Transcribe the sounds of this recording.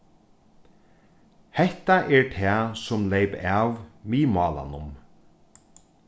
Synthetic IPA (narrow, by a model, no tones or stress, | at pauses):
hɛht̪aʔɛɹt̪ʰɛasʊmlejpaːʋmiːmɑːla̰nʊm